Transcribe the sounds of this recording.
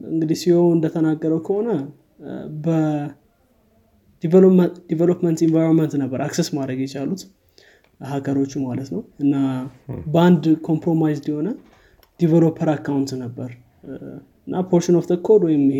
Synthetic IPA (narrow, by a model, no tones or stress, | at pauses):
ɨ̰ŋɡɨd̪isihowɨnd̪ət̪ʰənaɡːəɾəwkʰəho̞nə | bə | d̪ivd̪ivelopmənt̪ɪnvajɾonmənt̪nəbːəɾʔaksesmad̪ɾəɡjɛt͡ʃalut̪ | hakəɾo̞t͡ʃːumalət̪nəwɨnːabəand̪kʰo̞mpɾo̞majzd̪iho̞nə | d̪̥ivəlopʰːəɾakʰːawunt̪nəbːəɾ | ɨnːapʰo̞ɾʃənoft̪ʰəkʰːod̪wɔjɪm